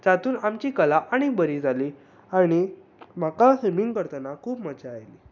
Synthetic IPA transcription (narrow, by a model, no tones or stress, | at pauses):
d͡zat̪uːnamt͡ɕiːkəlaʔaɽ̃ibəɾid͡zʱali | aɽ̃i | m̤akasemiŋɡkəɾt̪ənakʰuːpmət͡ɕaːjli